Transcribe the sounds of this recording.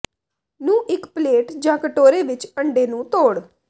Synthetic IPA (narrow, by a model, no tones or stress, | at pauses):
nũːʔɪkpleːʈd͡ʒãːkəʈoːɾeːʋɪt͡ʃəɳɖeːnũːt̪oːɽ